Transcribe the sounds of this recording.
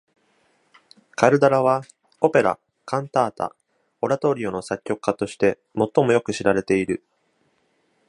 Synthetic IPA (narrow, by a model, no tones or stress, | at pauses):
kaɾɯ̟d̪aɾaβ̞a | o̞pe̞ɾa̰ | kãnt̪aːt̪a̰ | o̞ɾat̪o̞ːɾʲio̞no̞sakʲːo̞kɯ̥kːat̪o̞ɕi̥t̪e̞ | mo̞t̪ːo̞mo̞jo̞kɯ̟ɕiɾaɾe̞t̪e̞iɾɯ̟